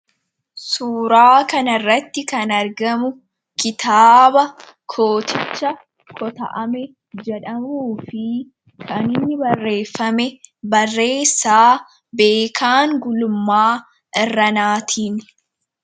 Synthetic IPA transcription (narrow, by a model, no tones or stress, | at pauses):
suːɾaːkɐnɐrːɐt̪ːɪkɐnɐɾɡɐmʊ | kɪt̪aːbɐ | kʰo̞ːt̪ɪt͡ʃːɐ | kʰɔt̪ɐ̰ʔɐmɛ | d͡ʒɛᶑɐmuːfɪ | kʰɐnɪnːɪbɐrːe̞ːfːɐmɛbɐrːe̞ːsːaː | be̞ːkʰaːŋɡʊlʊmːaː | ʔɪrːɐnaːt̪ʰiːn